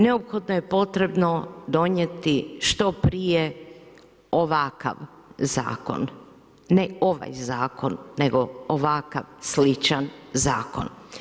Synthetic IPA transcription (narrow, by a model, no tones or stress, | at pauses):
ne̞opxo̞d̪noje̞po̞t̪ɾe̞bno̞d̪o̞ɲet̪iʃt̪o̞pɾije | oʋaka̰ʋ | za̰ːko̞̰nː | eo̞ʋa̰jzaːko̞nːe̞ɡo̞oʋaka̰ʋslit͡ʃanzaːko̞̰n